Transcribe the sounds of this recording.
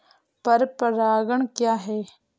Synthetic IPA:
pəɾpəɾaːɡəɳ̃kjaːɦɛː

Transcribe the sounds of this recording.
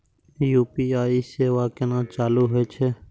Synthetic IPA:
juːpiːaːiːseːʋaːkenãːt͡ʃaːluːɦoeːt͡ʃʰeː

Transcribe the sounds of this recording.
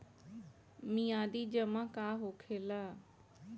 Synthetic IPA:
mijãːd̪iːd͡ʒəmãːkaːɦoːkʰeːlaː

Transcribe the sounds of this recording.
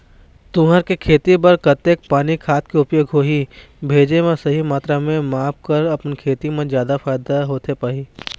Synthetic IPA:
t̪ʊ̃ɦəɾkekʰeːt̪ibɐɾkɐt̪eːk̚paːnikʰaːt̪keʊpjeɡʱoːɦi | bʱeːd͡ʒemẽsɐɦimaːt̪ɾamẽmaːp̚kɐɾɐpnkʰeːt̪imẽzjaːd̪afaːjd̪aɦoːt̪epaːɦiː

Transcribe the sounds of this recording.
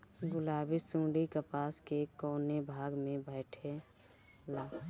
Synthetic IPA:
ɡʊlaːbisũːɖikəpaːskekɔːnebʱaːɡmẽbʱəɪʈʰe | laː

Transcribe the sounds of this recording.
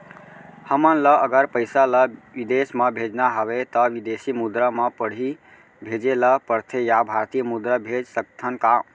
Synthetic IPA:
həmənləʔəɡəɾpəɪsaləʋid̪esməbʱed͡ʒnaɦəʋet̪ɔʋid̪esimud̪ɾəməpəɽ̤i | bʱed͡ʒeləpəɾt̪ʰejabʱaɾt̪ijəmud̪ɾəbʱed͡ʒsəkt̪ʰənka

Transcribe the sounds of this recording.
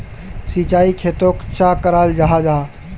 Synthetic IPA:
sit͡ʃaːikʰeːt̪okt͡ʃakəɾaːld͡ʒaɦad͡ʒaɦa

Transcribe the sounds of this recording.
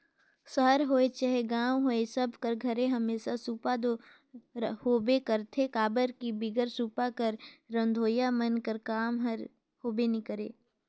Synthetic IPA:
səɦəɾɦoːet͡ʃaɦeɡaːʋɦoːesɐbʱkəɾɡʱɐɾẽɦɐmeːsasuːpad̪o | hoːbekəɾt̪ʰekaːbəɾkibɪɡəɾsuːpakəɾːə̃nd̪ʱoːjamənkəɾkaːmɦəɾ | hoːbenɪkəɾḛː

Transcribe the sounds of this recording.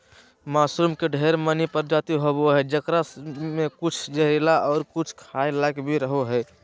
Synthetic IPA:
maːsuːmkeɖʱeːɾmənipəɾd͡ʒat̪iɦoboɦɛd͡ʒəkɾamẽkʊt͡ʃʰd͡ʒəɦɾilaʔɔːɾkʊt͡ʃʰkʰailakbʱiɾəɦoɦɛ

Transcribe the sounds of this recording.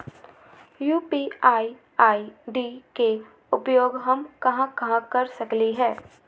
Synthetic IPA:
juːpiːaːi | aːiɖike | ʊpjoːɡɦɐmkɐɦãkɐɦãkɐɾsɐkliɦɛː

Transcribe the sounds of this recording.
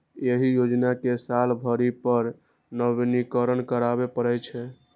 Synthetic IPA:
jeɦijod͡ʒnakesalbʱəɾipəɾ | nəbnikəɾənkəɾabepəɾɛt͡ʃʰɛ

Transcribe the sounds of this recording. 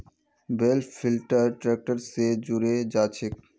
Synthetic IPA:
belfilʈaɾʈɾɛk̚ʈaɾsed͡ʑuɾed͡ʑat͡ɕʰek

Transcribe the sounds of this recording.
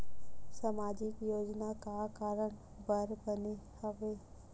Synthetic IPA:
samaːd͡ʒɪkjoːd͡ʒnakakaːɾəɽ̃ | bəɾbənihəʋeː

